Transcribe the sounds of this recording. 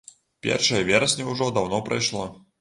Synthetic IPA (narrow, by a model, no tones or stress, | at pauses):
pʲɛ̰rʂɐjɐvʲɛɾɐsʲnʲɐuʐɔd̪awnɔpɾajʂlˠɔ